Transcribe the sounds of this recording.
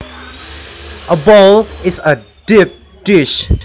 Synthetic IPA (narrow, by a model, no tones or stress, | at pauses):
ʔəbɔlɪsə | d̥ip̚ | d̥ɪʃ